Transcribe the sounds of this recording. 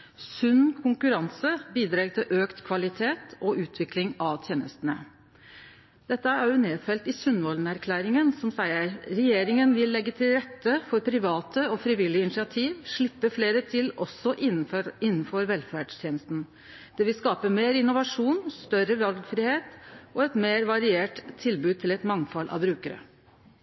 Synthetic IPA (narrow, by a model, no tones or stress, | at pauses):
sʉnkʰʊŋkʉɾɑnsəbiːd̪ɾɑːɡt̪ʰɪlʔøːkt̪kʰʋɑlɪt̪ʰeːt̪ɔʔʉːt̪ʰʋɪklɪŋɑʋt̪ʰjeːnə̰st̪nə | d̪̥ɛt̪ːəææɾjʊneːfɛlt̪ɪsʉnʋɔlnæɾkʰlæːɾɪŋənsɔmsæɪəɾɾɛjeːɾɪŋənʋɪlːɛɡːət̪ʰɪlɾɛt̪ːəfɔɾpʰɾɪʋɑːt̪ʰəɔfɾɪʋɪlːɪəɪnɪʂɪɑt̪ʰiːʋʂɭɪpːəfleːɾət̪ʰɪlɔsːɔʔɪɪnːn̩fɔɾʋɛlfæɖʂt̪ʰjeːnəst̪n̩ | d̪̥ɛʋɪlskɑːpəmeːɾɪnʊʋɑʂuːnst̪œɾəʋɑlɡfɾɪheːt̪ʔɔɛt̪meːɾʋɑɾɪeːʈt̪ʰːɪlbʉːd̪̚t̪ʰɪlɛt̪mɑŋfɑlʔɑ̰ʋbɾʉːkəɾə̰